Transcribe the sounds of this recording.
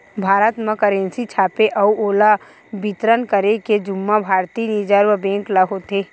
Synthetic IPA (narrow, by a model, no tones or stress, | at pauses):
bʱaːɾət̪mə̃kəɾẽːnsit͡ʃʰaːpeʔɐuoːla | bit̪ɾənkəɾeked͡ʒʊmːabʱaːɾt̪inid͡ʒəɾʋəbẽːŋklaɦot̪eː